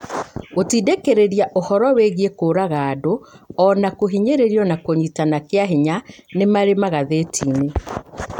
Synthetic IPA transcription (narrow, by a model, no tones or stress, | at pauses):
otiːdekeɾeɾiaʔohɔɾɔweɣiekoːɾaɣaːdoɔnakoɦiɲeɾeɾiɔnakoɲitanakeaɦiɲanemaɾemaɣaðetʰiːne